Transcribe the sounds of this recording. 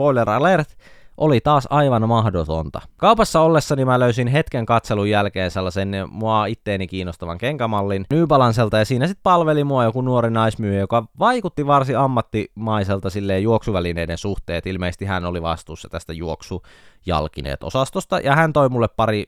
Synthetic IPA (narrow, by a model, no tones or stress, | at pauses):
poilerɑlert̪ʔolit̪ɑːsɑiʋɑnmɑhdot̪ont̪ɑ̰kɑupɑsːɑolːesːɑnimæløysinɦet̪keŋkɑt̪selujːælkeːnselːɑsenmuɑit̪ːeːnikiːnːost̪ɑʋɑ̰ŋkeŋkæmɑlːinnyːpɑlɑnselt̪ɑjɑsiːnæsit̪̚pɑlʋelimuɑjokunuoɾinɑismyøjejokɑʋɑikut̪ːiʋɑrsiɑmːɑt̪ːimɑiselt̪ɑsilːeːjuoksuʋælineidensuht̪eːt̪ilmeˑist̪ihænoliʋɑst̪uːsːɑt̪æst̪æjuoksu | jɑ̰lkinḛːt̪o̰sɑst̪ost̪ɑjɑhænt̪oimulːeppɑɾi